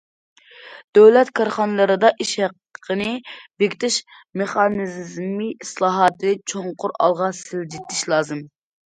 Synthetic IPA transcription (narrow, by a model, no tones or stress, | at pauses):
d̪̥øwlɛt̪kʰɑɾχɑnɨlˠɨɾɨd̪ɑʔiʃhɛq | ə̥qʰənɨbekʲt̪ʰɪʃ | meχɑnɨzzmiislˠɑːɦɑt̪ʰt͡ʃʰoŋqʊɾɑ̰lˠʁɑsɪld͡ʒit̪ʰːɪʃlˠɑːzɨm